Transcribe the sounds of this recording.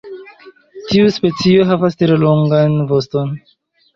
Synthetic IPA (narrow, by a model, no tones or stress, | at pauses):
tiuspe̞t͡sio̞ɦavastɾeloŋɡanvo̞sto̞n